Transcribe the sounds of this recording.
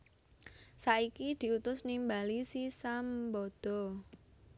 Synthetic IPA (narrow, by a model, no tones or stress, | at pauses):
saikid̪̥i̤ut̪ʊsnimbalisisambɔd̪̥ɔ̤